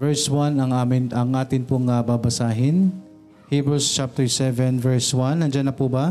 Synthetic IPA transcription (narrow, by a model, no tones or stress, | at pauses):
vɛɹswɐnɐŋʔamɪɐŋʔaːt̪ɪnpʊŋɐbabɐsaːɦɪn | hiːbɹust͡ʃap̚t̪ɛɹsɛvɛnvɛɹswɐnːɐnd͡ʒɐnːɐpubɐ